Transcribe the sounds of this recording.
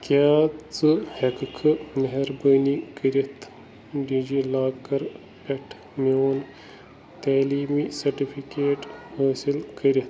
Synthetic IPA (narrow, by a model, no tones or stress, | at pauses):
kjaːt͡sɨhɐkkʰɨmɐɦɐɾbəːnikəɾit̪ | ɖid͡ʒilaːkɐɾ | pɐʈʰ | mioːn | t̪aːliːmisɐɾʈifʰikeːʈhaːsilkəɾit̪